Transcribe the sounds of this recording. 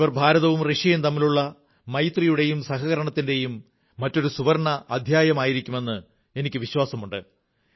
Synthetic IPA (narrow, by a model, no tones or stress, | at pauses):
ʋɐrbʱaːɾɐðɐʋumreʂɐjumt̪ɐmːiluɭːɐ | mɐjt̪rijuɽe̞jumsɐɦɐɣɐɾɐɳɐt̪ːinde̞jumː | ɐtːo̞ɾusuʋɐɾɳɐːd̪ʱjaːjɐmaːjiɾikʲːume̞nːɨ | e̞nikʲːɨʋiɕwaːsɐmuɳɖɨ